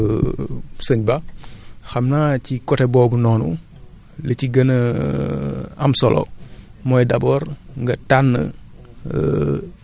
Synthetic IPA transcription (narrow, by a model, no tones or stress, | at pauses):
səɲba | xɐmnacikɔtɛbɔːbunɔːnṵ | ləciɡɐnə | ɐmsɔlʔɔ̰mɔjdɐbɔːɾŋɡɐtanːə̰